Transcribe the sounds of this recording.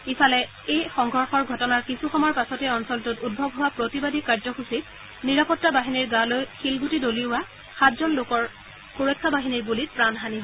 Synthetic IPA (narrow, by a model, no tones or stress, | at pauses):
ifalɛ | ejxɔŋɡʱɔɹxɔɹɡʱɔtɔnaɹkisuxɔmɔɹpasɔtɛɔnsɔltutud̚bʱɔbɦʊwapɹotibadikaɹzɔxusit̚ | niɹapɔtːabaɦiniɹɡalojxilɡʱutidoliʊwa | xatzɔnlokɔɹ | xuɹɔkʰːabaɦiniɹbulit̚pɹanɦaniɦɔ